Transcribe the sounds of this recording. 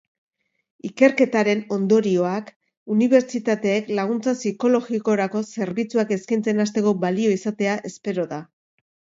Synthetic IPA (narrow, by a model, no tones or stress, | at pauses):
ike̞ɾke̞t̪aɾe̞no̞nd̪o̞ɾio̞ak | uniβe̞ɾt͡ʃit̪at̪e̞ːklaɣ̞unt͡sasiko̞lo̞ɣiko̞ɾako̞se̞ɾβit͡suake̞skajnt͡se̞nast̪e̞ko̞balio̞isat̪e̞aʔe̞spe̞ɾo̞ða